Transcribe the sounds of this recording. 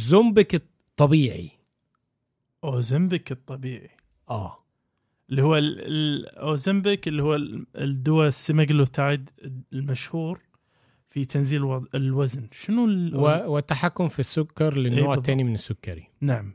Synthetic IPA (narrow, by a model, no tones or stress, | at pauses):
zʊmbɪk | t̪ˤːɑbiːʕḭ | ʔozɪmbɪkɨt̪ˤːɑbiːʕi | ʔaː | ʔɪlːihʊwːalɪʔoːzɪmbɪkɪlːihʊwːad̪ːʊwasːɪmaɡlot̪aʕɪd̪lmaʃhuːɾ | fit̪ʰanziːlwaɪlwaznʃɪnuwwɪt̪ːaħakːʊmfisːʊkːɑɾˤlɪnːoːʕt̪ːeːnimɪnɪsːʊkːɑɾinaʕam